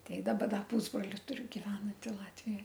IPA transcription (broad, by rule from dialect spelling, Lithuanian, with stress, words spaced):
ˈtʲɛɪ ˈdɑːbɐ ˈdɐ ˈpuːzbroːlʲɪ ˈtʊrʲʊ ɡʲɪˈʋʲæːnɐnʲtʲɪ ˈlˠɑːtʲʋʲɪjoːj